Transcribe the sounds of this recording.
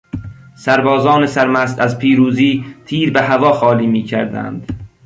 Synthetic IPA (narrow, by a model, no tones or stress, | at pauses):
sæɾbɒːzɒːnesæɾmæst̪æzpʰiːɾuːziːt̪ʰiːɾbeɦævɒːxɒːliːmiːcʰæɾd̪æ̰nd̪